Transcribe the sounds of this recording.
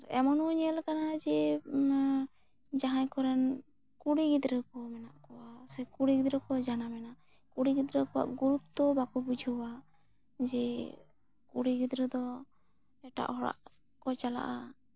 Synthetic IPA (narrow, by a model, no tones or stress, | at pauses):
ɾɛ̰mɔnuɲɛlkanad͡ʒɛ | d͡ʒaɦãjkɔɾɛn | kuɽiɡid̪ɾəkɔmɛnaʔkɔwasɛkuɽiɡid̪ɾəkɔd͡ʒanamɛna | kuɽiɡid̪ɾəkɔwa̰ʔɡuɾutt̪ːɔbakɔbud͡ʒʱuwa | d͡ʒɛ | kuɽiɡid̪ɾəd̪ɔ | ɛʈa̰ʔhɔɽa̰ʔ | kɔt͡ʃala̰ʔa